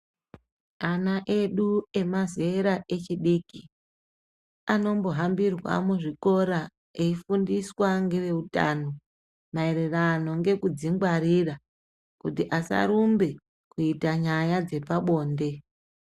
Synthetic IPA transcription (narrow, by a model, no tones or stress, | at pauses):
anaʔe̞ɗue̞mazeɾaʔe̞t͡ʃiɗiːki | ano̞mbo̞ɦambirwa̰muʐiko̞ɾa | eifundiswaŋɡeʋe̞uta̰ːno | mae̞ɾerano̞ŋɡe̞kud͡ziŋɡwaɾira | kutiʔasa̰ɾumbe̞ | kuitaɲajad͡ze̞paɓo̞ːnde̞